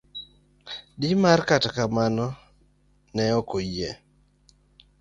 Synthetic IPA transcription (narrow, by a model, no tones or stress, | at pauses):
dɪmarkatkamanɔ | nɛɔkoje